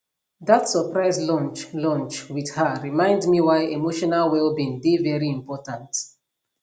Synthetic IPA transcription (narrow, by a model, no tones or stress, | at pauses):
ðatsəpɹaɪzlɔ̃nt͡ʃlɔ̃nt͡ʃwið̥həɹimãɪ̃ndmiwaɪʔemoʃɔnalwɛlbĩndevɛɹiĩmpɔtãnt